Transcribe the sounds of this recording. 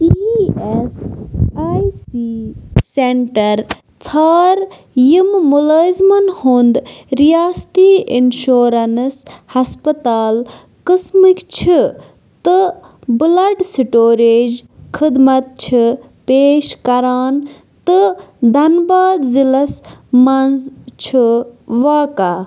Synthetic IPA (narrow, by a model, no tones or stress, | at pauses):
iesaːjsiseɳʈɐɾ | t͡sʰaːɾ | jimmuləːzmɐnhond̪ɾijaːst̪iːinʃoːɾɐnshɐspɐt̪aːl | kɨsmikt͡ʃʰi | t̪ɨ | bɨlɐɖsiʈoːɾeːd͡ʒkʰid̪mɐt̪̚t͡ʃʰi | peːʃkɐɾaːn | t̪ɨd̪ʱɐnbaːd̪zilɐsmɐnzt͡ʃʰiʋaːka